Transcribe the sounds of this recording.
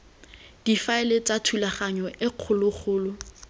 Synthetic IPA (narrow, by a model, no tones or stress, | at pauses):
d̥ifaɪlet͡sʼatʰulaχaɲɔʔɪq͡χʰʊlʊk͡xʰʊːlʊ